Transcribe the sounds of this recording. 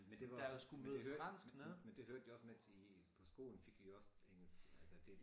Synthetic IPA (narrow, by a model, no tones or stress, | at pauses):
mend̥ed̥ɑjosɡ̥umeð̩ˠfʁɑn̰sɡ̥nəmend̥e̝høɐd̥juɒ̽smed̥ipʰɒ̽sɡ̥o̝̰ːln̩fe̝ɡ̥ʋiɒ̽seŋl̩sʰælsəd̥e